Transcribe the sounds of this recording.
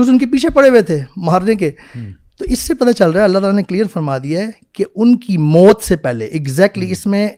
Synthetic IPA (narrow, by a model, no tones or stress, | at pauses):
ʊsʊnkepiːt͡ʃʰepɐɽeʋet̪ʰemaːɾnek̬e | t̪oːʔɪsːepɐt̪at͡ʃɐlɾaɛɐlːat̪aːlanekliːəɾfɐɾmaːd̪ijakeʊnkimɔːt̪sepɛːleʔɪɡzɛːk̚ʈliɪsmẽ